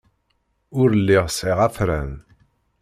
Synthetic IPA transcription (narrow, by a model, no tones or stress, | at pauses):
ʊɾəlːiʁsiʁæfɾæ̰n